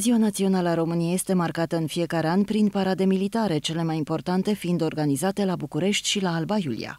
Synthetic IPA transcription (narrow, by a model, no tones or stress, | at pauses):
ziwanat̪sio̞naləaɾo̞mɨnijeje̞st̪e̞markat̪əɨnfije̞kaɾe̞anʲpɾinpaɾad̪e̞milit̪aɾe̞t͡ʃe̞le̞majimpo̞rt̪ant̪e̞find̪o̞rɡanizat̪e̞labukuɾe̞ʃt̪ʲʃilaːlbajulḭja̰